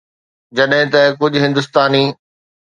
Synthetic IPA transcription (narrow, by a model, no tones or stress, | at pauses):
d͡ʑɐɗɦɪ̃t̪ɐkʊd͡ʑʱʊɦɪ̃nd̪ʊst̪aːniː